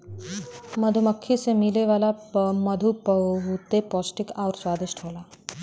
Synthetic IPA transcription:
mɐd̪ʱuməkʰːisemileʋaːlamɐd̪ʱupɦut̪epɔːsʈɪkɔːɾswaːd̪ʱɪʃʈʰoːlaː

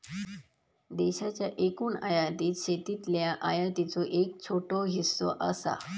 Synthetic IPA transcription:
d̪eɕat͡ɕjaʔekuːnajat̪iːt̪ɕet̪it̪ljaʔajat̪it͡soʔek̚t͡ɕʰoʈoɦisːɔ̰ʔəsa̰

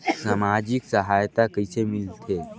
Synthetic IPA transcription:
samad͡ʑiːksəɦajt̪akəjsemilt̪ʰe

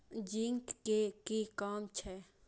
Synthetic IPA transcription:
d͡ʒiŋkːekikaːmt͡ʃʰɛː

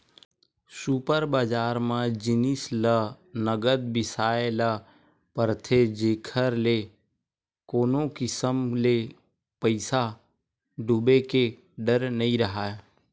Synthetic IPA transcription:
suːpəɾbaːd͡ʒaːɾmãd͡ʒɪnɪslə | nəɡəd̪̚bɪsaːelə | pəɾt̪ʰed͡ʒeːkʰəɾle | koːnokɪsəmle | pəɪsa | ɖʊbeke | ɖəɾnəĩɾəɦaː

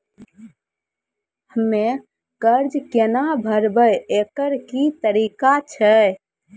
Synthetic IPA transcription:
həmːe | kəɾd͡ʒkenabʱəɾbəjekəɾkit̪əɾikat͡ʃʰə

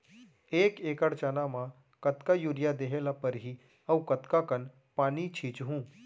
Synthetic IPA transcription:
eːkeːkəɽt͡ʃanamã | kɐt̪kajuɾjad̪eːɦeːlapəɾɦi | ɐwkət̪kakən | paːnit͡ʃʰiːt͡ʃɦũː

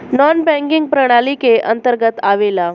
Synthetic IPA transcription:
nɔnbɛ̃ŋkiŋɡ̚pɾəɽ̃alikeʔənt̪əɾɡət̪aʋela

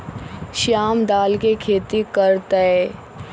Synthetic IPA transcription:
ʃaːmd̪aːlkekʰeːt̪ikɐɾt̪əe

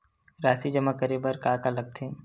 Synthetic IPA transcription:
ɾaːsid͡ʒɐmakəɾebəɾkaːkalɐɡ̚t̪ʰẽ

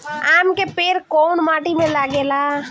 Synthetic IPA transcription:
aːmkepeːɾkoːnmaːʈimẽlaːɡeːlaː

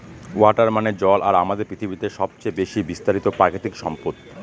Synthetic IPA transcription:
waʈaɾmaned͡ʑɔla̰ɾamad̪eɾpɾit̪ʰibit̪eʃɔb̚t͡ɕebeʃibist̪aɾit̪opɾakʰit̪ikʃɔ̰mpot̪ː

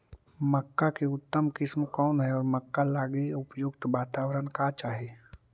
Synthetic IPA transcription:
məkːakeʊt̪ːəmkɪsmkɔːnɦɛɔːɾməkːalaːɡeʊpjʊɡt̪ʋaːt̪aːwɾənkat͡ʃaːɦeː

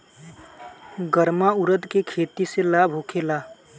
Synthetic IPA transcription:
ɡəɾmaʊɾəd̪kekʰeːt̪iselabʱokʰela

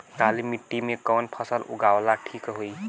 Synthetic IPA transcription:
kalimiʈːimekɔwnpʰʌsəlṵɡawlaʈʰikɦoj

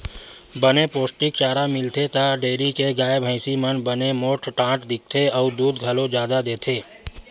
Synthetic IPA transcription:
bənepoːsʈɪk̚t͡ʃaːɾamɪlt̪ʰet̪aɖeːɾikeɡaːebʱə̃ɪsimənbənemoːʈʰʈãːʈd̪ɪk̚ʰt̪ʰeɔːɾd̪uːd̪ɡʱɐlõd͡ʒjaːd̪ad̪eːt̪ʰeː

